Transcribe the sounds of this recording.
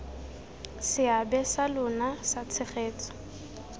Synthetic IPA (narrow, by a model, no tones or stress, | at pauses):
sɪabɛsalʊnasat͡sʰɪχeːt͡sʰʼɔ̥